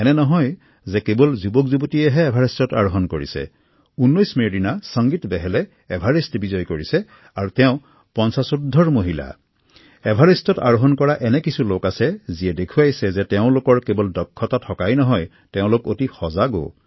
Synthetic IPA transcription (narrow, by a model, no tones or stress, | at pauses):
ɛnɛnɔɦɔj | zɛkebɔlzubɔkzubotiɛɦɛːbʱaɹistɔta̰ɹoɦɔnkoɹḭsɛ̰ | unːɔjsmeɹinasɔŋɡitbɛɦɛlɛː | bʱaɹistbizɔjkoɹisɛ | aɹutɛʊ̃ | pɔnsasudʱːɔɹmoɦila̰ | ɛbʱaɹistɔta̰ɹoɦɔnkɔɹaʔɛnɛkisulokasɛziɛdekʰujajsɛzɛtɛʊ̃lokɔɹkebɔldɔkʰːɔtatʰɔkajnɔɦɔj | tɛʊ̃lokotixɔzaɡo̰